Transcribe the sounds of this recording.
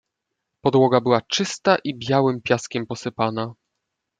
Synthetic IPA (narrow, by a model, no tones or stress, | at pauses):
pɔd̪wɔɡabɘwat͡ʂɘst̪aʔibʲjawɘmpʲjaskʲɛmpɔsɘpana